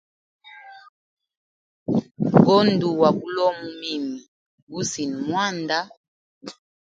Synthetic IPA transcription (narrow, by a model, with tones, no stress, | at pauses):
ɡo˦ndu˨wa˨ku˦lɔ˦mu˦mi˦mi˨ | bu˦si˨n˨mwa˦nda˦